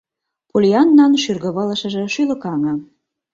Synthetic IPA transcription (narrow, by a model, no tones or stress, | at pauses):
pulʲiɑnːɑnʃyrɣə̆βɤ̆lɤ̆ʃɤ̆ʒĕʃylɤ̆kɑŋɤ̆